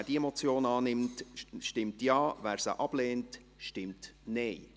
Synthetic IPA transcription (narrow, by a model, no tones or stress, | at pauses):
ædiemot͡sjoːnɑːnɪmtʃtɪmtjɑːvæːɾsə̰ʔɑb̥leːnt | ʃtɪmtneɪ